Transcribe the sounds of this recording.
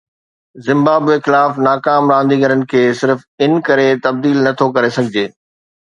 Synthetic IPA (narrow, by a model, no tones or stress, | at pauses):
zɪ̃mbaːbexɪlaːfnaːkaːmɾãːn̆d̪iɡɐɾənɪ̆kʰeːsɪɾfɪnɪ̆kɐɾet̪ɐb̚d̪iːlnɐt̪ʰokɐɾesɐɡʱɪd͡ʑeː